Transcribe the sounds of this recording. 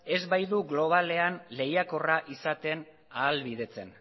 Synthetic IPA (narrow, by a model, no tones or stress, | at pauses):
e̞zβajðuɣlo̞β̞ale̞anle̞jako̞raʔisat̪e̞n | aːlβiðe̞t͡se̞n